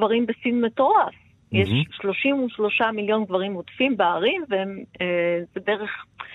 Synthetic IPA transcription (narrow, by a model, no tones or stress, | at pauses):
vaʁimbesinmeto̞ʁaf | jeʃːlo̞ʃimuʃlo̞ʃamiljo̞nɡvaʁimotfimbeaʁimveemezebeeʁeχ